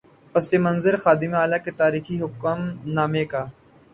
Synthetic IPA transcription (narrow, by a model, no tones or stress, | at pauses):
ɐsemɐ̃nzəɾxaːd̪ɪmaːlaket̪aːɾiːxiɦʊkəmnaːmekaː